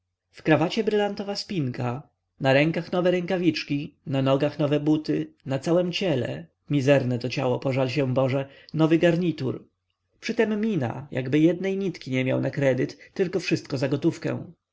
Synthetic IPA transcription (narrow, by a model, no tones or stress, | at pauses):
fkɾavat͡ɕɛbɾɘlant̪ɔvaspʲiŋka | naɾɛŋkaxnɔvɛɾɛŋkavʲit͡ʂkʲinanɔɡaxnɔvɛbut̪ɘnat̪sawɛmt͡ɕɛlɛ̰ | mʲizɛɾnɛt̪ɔt͡ɕawɔpɔʐalɕ̬ɛ̃bɔʐɛ | nɔvɘɡaɾɲit̪ṵɾ | pʂɘt̪ɛmːʲina̰ja̰ɡbɘjɛd̪nɛjɲit̪kʲiɲɛmʲja̰wnakɾɛd̪ɘt̪ːɘlkɔfʂɘst̪̚kɔzaɡɔt̪ufkɛ̰̃w̃